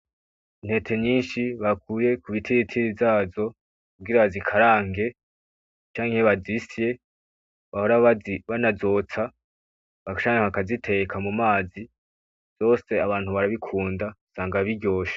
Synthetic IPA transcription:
in̥he̞tʰe̞ɲiːnʃiβakuje̞kuβitʰiɾitʰiɾizaːzo̞ | kubɡiɾaβazikʰaɾaːŋɡe̞ | t͡ʃaːŋhe̞βazisije̞ | βahoɾaβanazo̞ːt͡sa | βat͡ʃaːŋehakazitʰe̞ekʰamumaːzi̥ | z̥o̞ːse̞aβaːn̥huβaɾaβikʰuːndasaːŋɡaβiɟo̞ːʃḁ

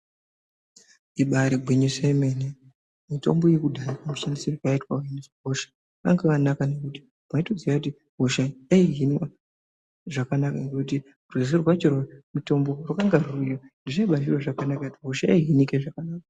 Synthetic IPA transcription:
iɓaɾiɡwiɲesaimene | mito̞̰mbojekudʱaikamuʃandisirukaitwaaneʐiɦo̞ʃḁ | ʋa̰ŋɡeʋanakanekuti̥ | maitud͡zijakuti | ɦoʃajaiɦinwa | ʐakanakaŋɡekuti | ruis̬irwat͡ʃiromito̞mbo̞rukaŋɡarujondiʐaiɓaʒiroʐakanakatiɦoʃaaiɦinikeʐakanaːka

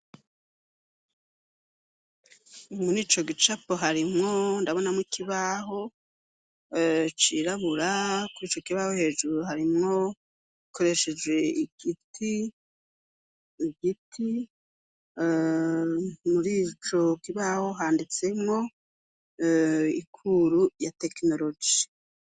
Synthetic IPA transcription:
muɾiːt͡ʃo̞ɡit͡ʃapoɦaɾimŋo̞ndaβo̞namikiβaɦo̞ | t͡ʃiːɾaβuɾakuɾiːt͡ʃo̞kiβaho̞he̞ːʒuɾuɦaɾimŋo̞ | ikʰo̞ɾe̞ʃe̞d͡ʒwe̞iɡiti | ɡitʰi | muɾiːt͡ʃo̞kiβaho̞ɦaːndit͡se̞mŋo̞ | ikʰuɾujate̞kno̞ɾo̞d͡ʒi

